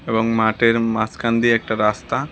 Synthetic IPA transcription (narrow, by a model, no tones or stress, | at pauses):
eʋɐŋmaːʈeɾmaːskand̪iek̚ʈɐɾaːst̪a